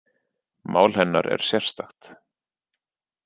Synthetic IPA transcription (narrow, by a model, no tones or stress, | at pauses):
maːwlhɛnːaɾʔɛ̰ɾ̥sjɛr̥st̪axt̪